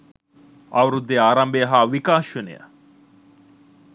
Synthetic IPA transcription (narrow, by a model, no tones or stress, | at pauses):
aʋɐɾud̪ːeaːɾɐmbejəɦaʋikaːʃʋenejə̰